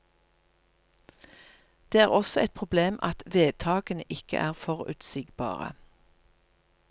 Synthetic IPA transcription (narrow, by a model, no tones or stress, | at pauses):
d̪̥eːæːʁɔsɔɛt̪̚pʰʁʊbleːmʔɑt̪ʋeːd̪̚t̪ʰɑːɡənəʔɪkə̰ʔæːʁfɔʁʉ̰ːt̪sɪɡbɑ̰ːʁə̰